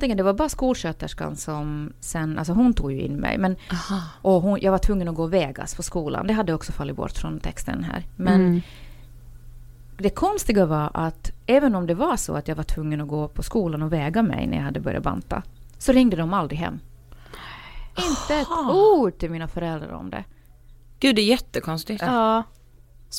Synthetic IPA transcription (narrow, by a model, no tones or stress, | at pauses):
t̪ɪɡənd̪ɛvabɑːɾaskuːlʂøːt̪əʂka̰nsɔmsɛnʔa̰lsɔɦʊnt̪ʰuːɡjɵɪ̰nːmɛ̰jmɛnʔɔɦʊnjʔɑːɡvaʈʰvɵŋːənɔɡoːvɛːɡa̰spʰɔskuːla̰nd̪ɛɦad̪ːəɔksɔfalːɪt̪bɔ̰ʈːfɾɔnt̪ʰɛkst̪ə̰nɦæ̰ːɾmɛn | d̪ɛkʰɔnst̪ɪɡavaɾʔat̪ɛːvənɔmd̪ɛvaʂɔ̰at̪jɑaɡvaʈʰvɵŋːənɔɡoːpʰɔskuːlanɔvɛːɡamɛ̰jnæ̰ja̰jhad̪ːəbœɾja̰ba̰nt̪a̰sɔɾɪŋd̪əd̪ɔmald̪ɾɪɦɛ̰mː | ɪntt̪ːəɛtuːɖʈɪlmiːnafœɾɛld̪ɾa̰ɾɔ̰md̪ɛ̰ | ɡ̥ʉ̟ːd̪ɛjɛt̪ːəkʰɔnst̪ɪ